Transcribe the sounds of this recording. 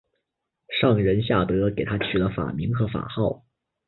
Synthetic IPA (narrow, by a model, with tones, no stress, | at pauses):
ʂɑ˥˩ŋɻə˧˥nɕ̬ja˥˩t̪ɤ˧˥ke˨˩ɪt̪ʰa˥t͡ɕʰy˨˩lə˦fa̰˨˩mi˧˥ŋxɤ˧˥fa̰˨˩xɑ˥˩ʊ